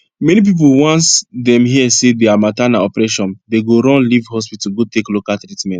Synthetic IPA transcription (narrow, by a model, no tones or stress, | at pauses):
mɛnip̬ip̬owɔ̃nsdɛ̃mhiɛsedeamatanaɔpɾɛʃɔ̃ndeɡoɾɔ̃nlivhɔs̬pituɡoteklokatɾitmɛ̃nt